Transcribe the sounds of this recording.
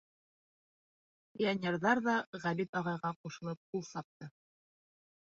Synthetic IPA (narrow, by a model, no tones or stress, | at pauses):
pʲianʲerðɑɾðɑʁælit̪ɑʁɑjʁɑquʃɤ̆lˠɤp̚qulˠsɑp̚t̪ɤ